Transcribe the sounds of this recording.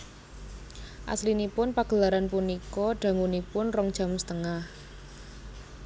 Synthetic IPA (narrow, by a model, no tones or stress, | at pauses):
ʔa̰slinipʊnpaɡ̥ə̤laɾanpunikɔɖ̥ä̤ŋunipʊnrɔŋd̥ʒ̥a̤mst̪əŋah